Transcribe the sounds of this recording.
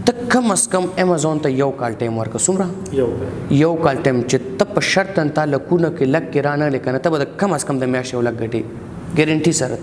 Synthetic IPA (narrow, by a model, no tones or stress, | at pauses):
t̪əkɐmɐskɐmemazoːnt̪ajɐwkaːlʈajmwɐɾkɐsumɾa | jɐwkaːlʈajmt͡ʃet̪ɐpəʃɐɾt̪ːɐnt̪aːlɐkunakelɐk̚ːeɾaːnɐlekɐnat̪ɐbɐd̪ɐkɐmɐskɐmd̪əmjaːʃjɐwlɐk̚ɡɐʈe | ɡeɾɐɳʈisɐɾɐ̰t̪